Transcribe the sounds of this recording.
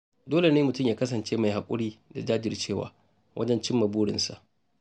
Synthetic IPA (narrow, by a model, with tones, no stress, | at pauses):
doː˦le˨neː˦mʊ˨tʊ˦˨mjaː˦kɐ˦sɐ˨nt͡ʃeː˦ma˨jha˨kʷʼʊ˦ɽiː˦da˨d͡ʒaː˦d͡ʒɪ˨rt͡ʃeː˦˨wa̰ː˨ | wʔɐ̰˦d͡ʒɛ˦nt͡ʃɪ˦mːɐ˨buː˦ɽɪ̰˨nsa̰˨ʔ